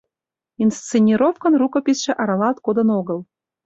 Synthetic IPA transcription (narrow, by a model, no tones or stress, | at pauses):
inst͡senʲːiɾofkɤ̆nrukŏpʲisʃĕʔɑɾɑlɑt̪kod̪ɤ̆noɡɤ̆lˠ